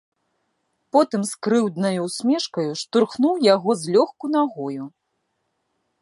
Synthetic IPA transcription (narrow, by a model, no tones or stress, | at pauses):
pɔt̪ɨmskɾɨwd̪nɐjuwsʲmʲɛʂkɐjuʂt̪urxnuwjaɣɔzʲlʲɔxkun̪aɣɔju